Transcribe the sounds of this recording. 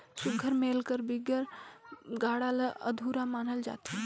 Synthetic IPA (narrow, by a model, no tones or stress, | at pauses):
suɡʱəɾmeːlkəɾbiɡəɾ | ɡaːɽaləə̰d̪ʱuɾamaːnəld͡ʒa̰ːt̪i